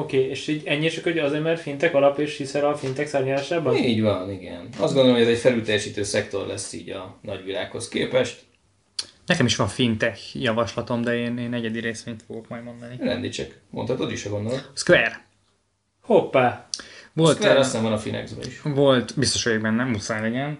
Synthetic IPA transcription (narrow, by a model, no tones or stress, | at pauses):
okeːeːʃiːɟɛɲːit͡ʃɒkhoɟɒzeːɾmɛrfint̪ɛkɒlɒpeʃhisɛɾɒfint̪ɛksaːɾmit̪aːʃaːbɒniːɟvɒniɡɛ̰nɒ̰zd̪ɡond̪olmojɛzɛcfɛlylt̪ɛjɛʃiːt̪øːsɛkt̪o̞rlɛsːḭːɟɒnɒɟʋila̰ːkho̞skeːpɛʃt̪ | nɛkɛmiʃʋɒɱfint̪ɛxjɒvɒʃlɒt̪o̞md̪ɛeːneːnːɛɟɛd̪iɾeːsʋeːɲt̪foɡo̞kmɒjd̪mo̞nd̪ɒniɾɛ̰nd̪it͡ʃɛk | mo̞̰nhɒt̪od̪iʃɒɡo̞nd̪oloskvɛr | hopːaːvo̞lt̪ɛɾɛsɛɱvɒnɒfinɛ̰ɡzbɛ̰iʃvo̞lt̪bist̪oʃojɡbɛnːɛmusaːnlɛɟɛn